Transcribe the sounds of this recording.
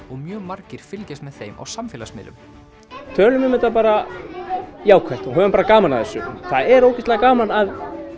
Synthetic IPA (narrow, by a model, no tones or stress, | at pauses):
ɔɣmjœːɣmaɾcɪɾ̥fɪlcɪst̪mɛðθejma̰wsamfɛːlasmɪ̰ːlʏ̰m | t̪ʰœːlʏmɛmɛt̪ap̬aːɾa | jaːwkʰajht̪ɔɦœːvʏnmpaːɾakaːmanaðθɛsːʏθaðɛɾoːwcɛ̥st̪laɣakaːmanað